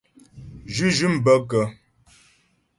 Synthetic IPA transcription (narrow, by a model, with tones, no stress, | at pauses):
d͡ʒʉ˦ʒʉ˦m̩˨bə˦kə˨˦